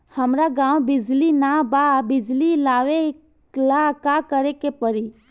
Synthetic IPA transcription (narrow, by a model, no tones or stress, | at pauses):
həmɾaɡãːwbɪd͡ʒlinababɪd͡ʒlilaːʋe | klakakəɾekepəɾi